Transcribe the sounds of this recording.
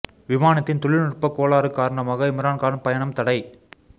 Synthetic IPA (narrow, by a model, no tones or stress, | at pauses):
ʋɪmaːnɐt̪ːɪnt̪ɔɭɪlnʊrpɐkːoːɭaːɾɯkːaːɾɐɳɐmaːɣɐɪmɾaːnkaːɳpɐjɐɳɐmt̪ɐɽɐɪ